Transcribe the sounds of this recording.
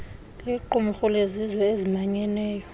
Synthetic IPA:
liǃumuxulezizwɛezimaɲɛnɛːjɔ

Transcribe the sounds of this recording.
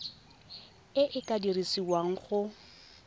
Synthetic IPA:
ɪʔɪkʼadirisiwaŋ̩χʊ

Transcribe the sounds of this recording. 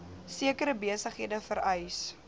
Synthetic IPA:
siəkəɾəbiəsəχɦiədəfəɾɛjs

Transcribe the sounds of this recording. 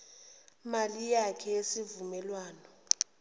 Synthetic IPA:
malijakʰɛesivumɛlwaːnɔ

